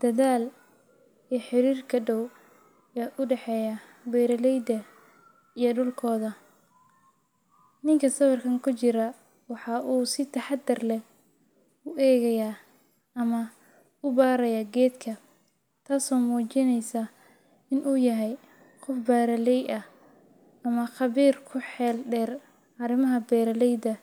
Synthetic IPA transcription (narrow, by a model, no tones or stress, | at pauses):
d̪̥ɐðaːl | ɛːħɪɾiːrkʰɐɖɔw | jɛʔʊɖɛħɛːjɐ | bɛːɾɐlɛjd̪ɐ | ijɔɖʊlkʰɔːðɐ | nɪŋkʰɐsɐβɐrkʰɐŋkʰʊt͡ʃɪɾɐ | wɑħɑːʔuːsɪt̪ʰɐħɑd̪ɪrlɛ | ʊʔɛːɣɐjaː | ɐmɐ | ʊbaːɾɐjaːɡɛːd̪kʰɐ | t̪ʰaːsɔːmuːt͡ʃɪnɛjsɐ | ɪnʔuːjɐɦɛj | qɔfbaːɾɐlɛjɐh | ɐmɐχɑβiːrkʰʊħɛːlɖɛːr | ɐɾɪmɐɦɐbɛːɾɐlɛjd̪ɐ